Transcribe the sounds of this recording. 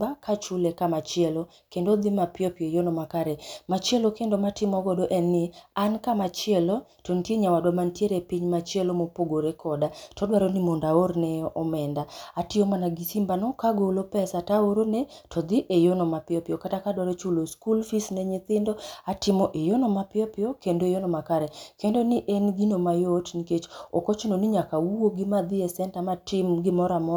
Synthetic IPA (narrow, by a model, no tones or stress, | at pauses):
bakʰat͡ʃulekamat͡ʃɪelo | kendod̪imapɪɔpjojonɔmakaɾɛmat͡ʃelokendomatɪmɔɡɔdoʔɛnːɪankamat͡ʃɪelotontjeɲawadwamantjeɾepiɲmat͡ʃelomopoɡoɾekʰɔdatɔdwaɾonimondaoɾnɛɔʔɔmɛndaatɪomanaɡisimbanɔkaɡolopɛsataoɾonetʰɔd̪ɪʔejonɔmapɪɔpɪɔkatakadwaɾet͡ʃuloskulfisnɛɲɪt̪ɪndɔatɪmɔʔejonɔmapɪɔpɪɔkendoejonɔmakaɾɛkendonɪʔenɡinomajotniket͡ʃo̰kot͡ʃononiɲakauoɡimad̪ɪɛsɛntamatɪmɡɪmɔɾamɔ